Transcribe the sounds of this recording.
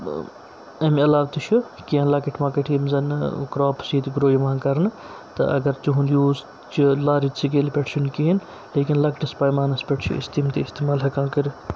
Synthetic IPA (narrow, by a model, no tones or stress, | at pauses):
ɐmɐlaːʋt̪ɨt͡ʃʰu | kijɐ̃ːnlaːkiʈʰmãːkɐʈʰimzɐnkɾoːpʰsiːt̪ɡɾoːjimãːnkɐɾn | t̪ɐ̰ʔɐ̰ɡɐɾt͡ʃuɦunjuːz | t͡ʃilaːɾisʰiɡ̬eːlpʲeʈʰʃʰunkiɦin | leːkinlɐkʈɐspaːjmaːnɐspʲeʈʰt͡ʃʰṵḭst̪iːmt̪iist̪eːmaːlɦɐkãːnkəɾi